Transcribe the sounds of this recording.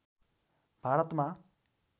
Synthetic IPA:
b̥ʱaɾʌt̪ma

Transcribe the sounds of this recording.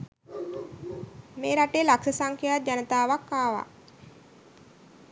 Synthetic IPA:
meːɾaʈeːlaksəsaŋkʰejad͡ʒanət̪aːʋakːaːʋa̰

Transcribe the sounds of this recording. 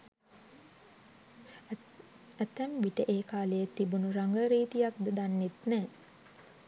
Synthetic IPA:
æt̪æmbiʈəʔeːkaːləjet̪ːibunuɾaŋɡəɾiːt̪ijak̚d̪əd̪anːet̪nɛː

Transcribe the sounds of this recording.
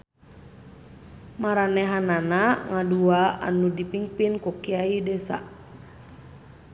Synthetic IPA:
maɾanɛɦananaŋaduaa̰nudipiŋpinkukiaidɛsa̰

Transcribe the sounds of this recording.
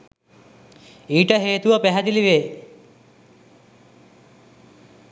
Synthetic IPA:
iːʈəɦeːt̪uʋəpæɦæd̪iliʋeː

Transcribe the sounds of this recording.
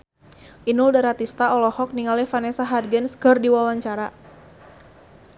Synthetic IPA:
ʔinʊldaɾat̪ist̪aɔlɔhɔk̚niŋalɛfanɛsaɦadɡɛnsɡɔrdiwawaɲt͡ʃaɾa

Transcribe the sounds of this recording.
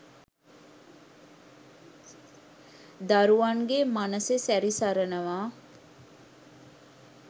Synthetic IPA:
d̪aɾuʋaŋɡemanəsesæɾisaɾənəʋaː

